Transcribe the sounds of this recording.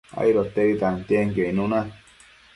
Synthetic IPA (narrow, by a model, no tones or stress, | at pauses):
a̰jɾot̪ːeit̪ant̪eŋkeinuna